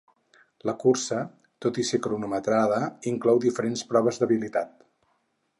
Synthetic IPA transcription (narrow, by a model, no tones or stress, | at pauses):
ləkuɾsə | t̪ot̪isikɾunumət̪ɾaðəiŋklɔwd̪ifəɾenspɾɔβ̞əzðəβilit̪at̪̚